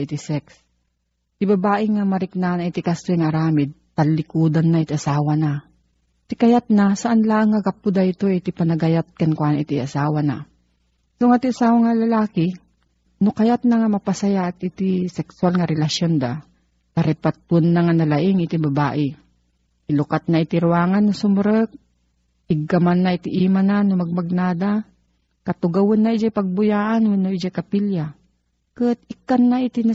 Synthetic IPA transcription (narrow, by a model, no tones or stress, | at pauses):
ʔit̪ɪsɛks | t̪ɪbɐbaːʔɪŋamɐɾɪknanait̪ikast̪jŋaːɾaːmɪd̪̚t̪alːɪkuːd̪anːaɪt̪iʔɐsaːwana | t̪ɪkɐjat̪̚nasɐʔanlaʔaŋːɐɡapːʊd̪aɪt̪oɛt̪ipɐnɐɡɐjat̪̚kɐnkwaːnaʔɪt̪iasaːwana̰ | soŋat̪iʔasaːwaŋalɐlaːkɪ | nokɐjat̪̚naŋamɐpɐsɐjaʔːt̪ɪt̪ɪsɛksʊwalŋaɾɛlaʃjond̪a̰ | kaɾɛpat̪ʊnːaŋanɐlaʔɪŋʔɪt̪ɪbɐba̰ːʔɪ | ʔɪlʊkat̪̚naɪt̪ɪɾwaːŋanːʊsʊmɾək̚ | ɪɡamanːaɪt̪ɪʔiːmananʊmɐɡ̚maɡ̚naːd̪a | kɐt̪ʊɡawʊnːaid͡ʒajpɐɡ̚bʊjaːʔanwɛnoɪd͡ʒakapilja | kət̪̚ɪkanːaʔit̪ɪna